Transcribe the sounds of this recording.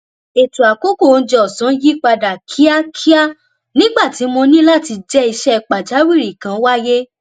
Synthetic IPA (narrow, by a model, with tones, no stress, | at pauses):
e˨tu˨a˨ko˦ko˦˨n̩˦d͡ʒɛ˧˦ɔ˨sɔ̃˨˦ji˦k͡pa˧da˨kʰi˦a˦kʰi˦a˦ | nĩ˦ɡ͡ba˦˨ti˨˦mo˧nĩ˦la˦ti˧d͡ʒɛ˦i˧ʃɛ˦˧k͡pa˨d͡ʒa˨˦wi˦˨ɾi˨kã˨˦wa˦je˦